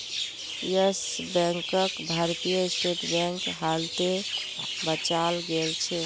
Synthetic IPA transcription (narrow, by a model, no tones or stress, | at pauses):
jəsbɛ̃ŋkəkbʱaɾt̪ijəsʈeʈbɛ̃ŋkɦalt̪e | bət͡ʃalɡelt͡ʃʰɛ